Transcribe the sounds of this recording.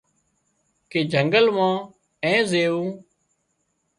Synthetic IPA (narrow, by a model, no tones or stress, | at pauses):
keːd͡ʒʱəŋɡəlʋãː | ɛ̃ːzeːʋũː